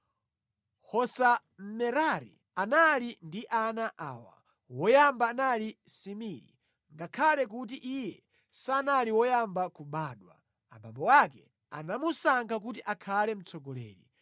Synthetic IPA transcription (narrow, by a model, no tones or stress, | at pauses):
hɔsa | m̩mɛɾaɾḭ | analindiʔanaʔaːwa̰ | wɔjambaːnalisimiɾḭ | ŋɡakʰalɛk̬ut̬iʔijɛ | sanaliwɔjambakuɓaːɗwa̰ | a̰ba̰mbɔwakɛ | a̰namusaŋkʰak̬ut̬iʔakʰalɛm̩t͡sʰɔɡɔlɛ̰ːɾḭ